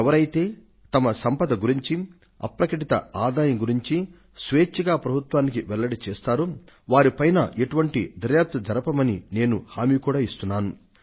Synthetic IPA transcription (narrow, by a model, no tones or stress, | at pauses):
ɛʋɐɾɐjt̪e̞ː | t̪ɐmɐsɐmpɐd̪ɐɡuɾiɲt͡ʃi | ɐ̰pɾɐkɐʈit̪ɐ̰aːd̪aːjɐŋɡuɾiɲt͡ʃi | sʋeːt͡ʃːiɡaːpɾɐbʱut̪ʋaːnikiʋɛlːɐɽit͡ʃeːst̪aːɾu | ʋaːɾipɐjnɐ̰ʔe̞ʈuʋɐɳʈid̪ʱɐɾjaːp̚t̪ɐd͡ʒɐɾɐpɐmɐnine̞ːnuhaːmiːkuːɽaːist̪unːaːnu